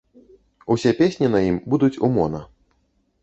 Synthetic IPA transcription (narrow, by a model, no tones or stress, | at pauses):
usʲɛpʲesʲnʲinɐjimbud̪ut͡sʲumɔnɐ